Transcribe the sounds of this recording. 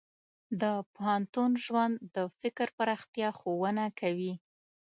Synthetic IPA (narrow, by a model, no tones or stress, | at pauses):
d̪əpʊhant̪unʒwand̪ːəfɪkɾpəɾɑxt̪jɑxowənakʰawi